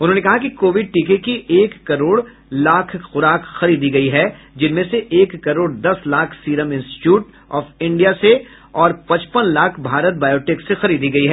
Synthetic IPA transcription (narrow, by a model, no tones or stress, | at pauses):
ʊnɦõːnekɐɦakikoːʋɪɖ̚ʈiːkekiʔeːkːɐɾoːɽ | laːkʰxʊɾaːkxɐɾiːd̪iɡɐiɦɛ | d͡ʒɪnmẽseʔeːkːɐɾoːɽd̪ɐslaːkʰsiːɾəmɪ̃nsʈɪ̥ʈjuːʈ | ɔːfɪ̃ɳɖijase | ɔːɾpɐ̃t͡ʃpənlaːkʰbʱaːɾət̪̚baːjoːʈɪksexɐɾiːd̪iɡɐiɦɛ